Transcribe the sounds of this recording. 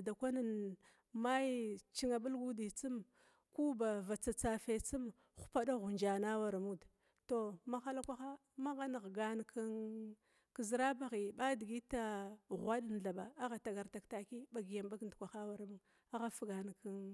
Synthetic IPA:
da˨kʷa˦na˨n | ma˦ji˦t͡ʃi˦ŋa˨ɓu˦lɡu˦di˨t͡si˦m | ku˦ba˨va˨t͡sa˨t͡sa˨fe˨t͡si˦m | xu̥˦pa˦ɗa˦ɣu˨nd͡ʒa˨na˦wa˨ɾmu˦d | to˨ma˦xa˦la˦kʷa˦xa˦ | ma˦ɣa˦n˨ɣɡa˨n˨kʰa˦n | ki˨zi˨˦ɾa˦ba˨ɣi˨ɓa˦di˨ɡi˦ta˦ɣʷa˦ɗn˨ɮa˨ba˨a˦ɣa˨ta˨ɡa˨ɾta˨kta˨ki˦ba˨ɡi˨ja˨mba˦ɡi˨ndkʷa˨xa˦wa˨ɾmu˦ŋ | a˦ɣa˦fɡa˨n˨ki˦n

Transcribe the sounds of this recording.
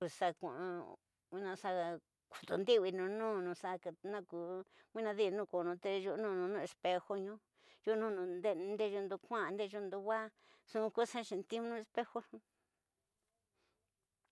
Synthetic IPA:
u˧sa˧kʷã˨ʔ | wĩ˧nã˧sa˧ | ku̥˨t̪u˧nd̪i˦βi˧nũ˧nũ˦nũ˧sa˧ka˧nã˦˧ku˧ | wʷĩ˦nã˧ði˦˧nũ˦˧ko˨˧nũ˧t̪e˧ʒu˧ʔnũː˦˧nũ˧nũ˦˧e˧spe˧xo˧ɲũ˦ | ʒu˦nũ˦˧nũ˧nd̪ẽ˦˧nd̪e˦˧u˧nd̪u˧kʷã˦˧nd̪e˦˧ʒo˧nd̪u˧wa˦ | sũ˧ku˦sa˦ʃĩ˧t̪i˦ũ˦nũ˦˧e˧spe˦xo˦nũ˧

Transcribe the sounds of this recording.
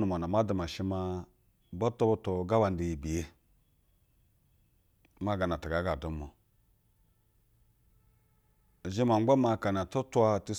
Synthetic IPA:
nu˨m˨a˨na˨ma˦du˨ma˨ʃi˦ma˦ | bo˦to˦bo˦to˨ɡa˦wa˨ndi˨ji˨bi˨e˦ | ma˦ɡa˨na˨ta˨ɡa˨˦ɡa˨du˦mo˨ | ʒi˦ma˨ŋ͡mɡ͡bo˦ma˨ka˨n˨a˨to˦tu˦a˦ti˦

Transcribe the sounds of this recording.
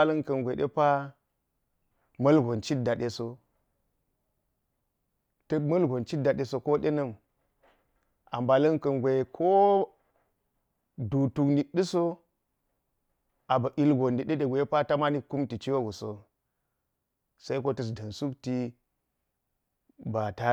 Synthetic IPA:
a˦lɐ˦nkɐ˨nɡʷe˨ɗḛ˦pa˦ | mɐ˦lɡo˨nt͡ʃi˦da˨ɗe˨so˦ | tɐ˦mɐ˦lɡʷo˨nt͡ʃi˦da˨ɗe˨so˨ko˦ɗe˦nɐ˦m | a̰˨mba˨lɐ˦nkɐ˨nɡʷe˨kʰo˦ | du˨tu˨kni˨ɗi˦so˦ | a˨ba˨ʔi˦lɡo˨ndi˨ɗe˦ɗe˨ɡʷe˨˦e˦pa˦ta˦ma˦ni˦ku˦mti˨t͡ʃi˦wo˦ɡu˨so˨ | sa˦i˦k̬o˦tɐ˦˨s̬dɐ˨nsu˦kti˦ | ba˨ta˦

